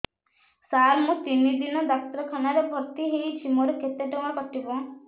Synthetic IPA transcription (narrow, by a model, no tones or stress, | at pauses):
saɾmũt̪inid̪inɔd̪ak̚t̪ɾɔkʰɔnaɾebʱɔɾt̪iɦeit͡ʃʰimɔɾekʰet̪eʈɔmapɔʈibɔ̃